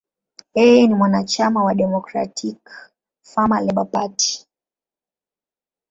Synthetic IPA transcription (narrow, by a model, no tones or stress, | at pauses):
jɛjɛnimwanat͡ʃamawaɗɛmɔkɾa̰tʰik | famalɛɓapati̥